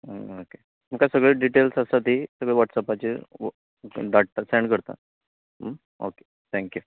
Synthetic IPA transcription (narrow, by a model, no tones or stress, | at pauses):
ooke | məkasəɡɭeɖiʈelsəsat̪̬ɦisəɡɭeʋaʈsapat͡ɕe | ɖaʈ̚t̪asɛ̃ɳɖkəɾt̪a̰ | o̰ke̥ | t̪ʰɛ̃ŋkju